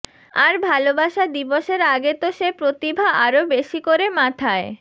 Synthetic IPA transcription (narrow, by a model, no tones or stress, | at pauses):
a̰ɾbʱalobaʃad̪iboʃeɾaɡet̪oʃepɾot̪ibʱaʔaɾobeʃikoɾemat̪ʰae